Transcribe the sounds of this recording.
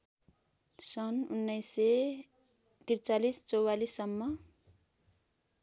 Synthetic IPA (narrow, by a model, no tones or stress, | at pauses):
sʌnunːʌjse | t̪irt͡salist͡sʌwalisːʌmːʌ